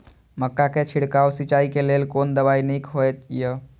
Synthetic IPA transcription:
məkːaket͡ʃʰiɽkawsit͡ʃaikelelkond̪əbainikɦojt̪ijə

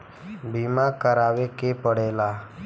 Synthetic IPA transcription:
bimakəɾaːʋekepəɽela

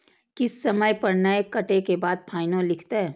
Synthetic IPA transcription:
kɪsːɐməjpɐɽnaekɐʈekebaːd̪̚pʰaːɪnõlɪkʰt̪aɦɛː

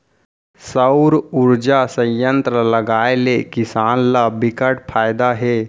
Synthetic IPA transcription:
səʊɾuɾd͡ʒasə̃jjənt̪ɾələɡaelekisaːnlabikəʈpʰajd̪aɦe

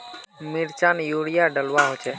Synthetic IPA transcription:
miɾt͡ʃanjuɽijaɖəlwaɦot͡ʃʰɛ

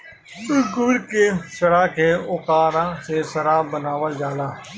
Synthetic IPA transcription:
tʊkʊʋɪɽkeːsəɽaːkʰeːoːkaːɾãːsesəɾaːbənaːʋəld͡ʒaːlaː

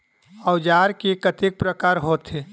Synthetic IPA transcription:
əʊd͡ʒaːɾkikət̪ik̚pɾəkaːɾɦoːt̪e

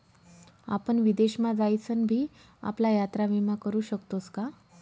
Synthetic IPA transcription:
a̰pəɳʋid̪eɕmad͡zajt͡sənbʱiː | a̰plajat̪ɾaʋimakəɾuːɕəkt̪ot͡ska

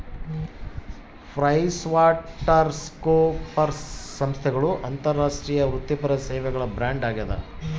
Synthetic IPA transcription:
pʰɾɐjsʋaːʈːɐɾskoːpɐɾsɐmst̪ʰɛɡɐɭuʔɐnt̪ɐɾːaːʂʈɾiːjɐʋɾut̪ːipɐɾɐseːʋɛɡɐɭɐbɾaːɳɖaːɡiɐd̪ɐ̰

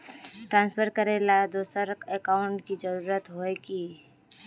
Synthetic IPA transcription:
ʈɾãːnspʰəɾkəɾelad̪oːsəɾekaːʊɳʈkid͡ʒəɾuːɾət̪ɦoekiː

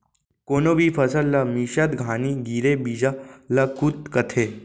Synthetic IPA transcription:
konobʱiːfʰəsəlːamiɕat̪ɡʱaniɡiɾebid͡ʑalakut̪kət̪ʰe

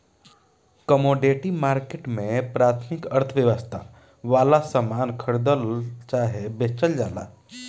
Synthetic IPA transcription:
kəmoɖeʈimaːɾkeʈmẽpɾaːt̪ʰmikəɾt̪ʰəʋjəʋəst̪ʰa | ʋaːlasəmaːnkʰəɽd̪əlt͡ʃaɦebet͡ʃəld͡ʒaːla̰

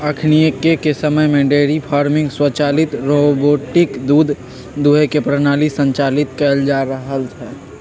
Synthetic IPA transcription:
əkʰnijekekesəməjmẽɖeːɾipʰaːɾmɪ̃ŋɡswət͡ʃaːlɪt̪ɾoboːʈɪkd̪uːd̪ʱ | d̪uɦekepɾənaːlisə̃ɲt͡ʃaːlɪt̪kəld͡ʒaːɾəɦəlt͡ʃʰɛː

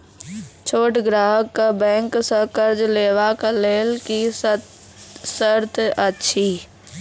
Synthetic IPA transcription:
t͡ʃʰoːʈɡɾaːɦəkːabɛ̃ːŋksə̃kəɾd͡ʒleːʋakleːlki | səɾt̪ʰətːʃʰi

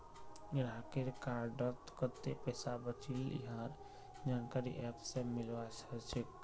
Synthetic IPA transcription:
ɾakeɾkaːɾɖəɾt̪kət̪ːepɛːsabət͡ʃilḭɦaːɾ | d͡ʒaːnkaɾḭʔɛːpsemɪlʋasət͡ʃik̚

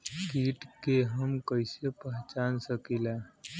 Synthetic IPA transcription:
kiːʈkeɦəmkəɪsepɛɦt͡ʃaːnsəkilaː

